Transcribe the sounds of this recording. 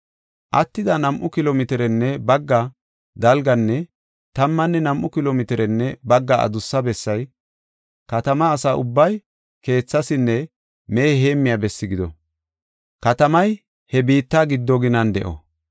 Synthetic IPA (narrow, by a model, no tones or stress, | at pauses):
ʔɐt̪ːɪd̪ɐnɐmʔʊkɪloːmɪt̪ɪɾɛnːɛbɐɡːɐ | d̪ɐlɡɐnːɛ | t̪ɐmːɐnːɛnɐmʔʊkɪloːmɪt̪ɪɾɛnːɛbɐɡːɐɐ̰d̪ʊsːɐbɛsːɐj | kɐt̪ɐmɐːsaːʔʊbːɐj | ke̞ːt͡sːɐsɪnːɛ | me̞ːɦe̞ːmːɪjabɛsːɪɡɪd̪ɔ | kɐt̪ɐmɐj | hɛbiːt̪ːaɡɪd̪ːɔɡɪnɐnd̪ɛ̰ʔɔ̰